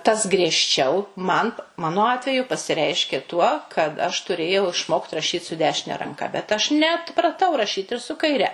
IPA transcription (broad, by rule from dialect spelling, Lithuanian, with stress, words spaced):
ˈtɐs ɡrʲiɛʃʲˈt͡ʃʲɛʊ mɐn ˈmɑːnoː ˈɑːtʲʋʲɛjʊ pɐsʲɪˈrʲɛɪʃʲkʲeː tuɔ kɐt ɐʃ tʊˈrʲeːjɛʊ ɪʃˈmoːkt rɐʃʲiːt sʊ ˈdʲæːʃʲɪnʲɛ rɐŋˈkɐ bʲɛt ɐʃ nʲɛɐtprɐˈtɐʊ rɐˈʃʲiːt ɪr sʊ kɐɪˈrʲɛ